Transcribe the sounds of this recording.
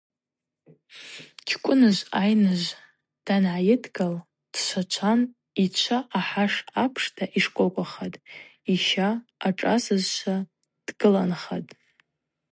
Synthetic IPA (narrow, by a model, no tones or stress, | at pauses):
t͡ʃʲʰkʷʼʊnɨzʷajnɨzʷ | d̥anʕajɪdɡal | d̥ʃʷʰat͡ʃʷʰan | it͡ʃʷʰaʔaħaʂapʰʂtʰaʔiʂkʷʼokʷʼaχatʼiʃaːʈ͡ʂʼasɨzʃʷʰa | d̥ɡɨlanχatʼ